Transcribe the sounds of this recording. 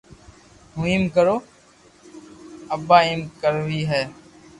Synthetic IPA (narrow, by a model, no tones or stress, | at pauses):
ɦũːiːmkəɾoː | əbaːiːmkəɾʋiːɦɛː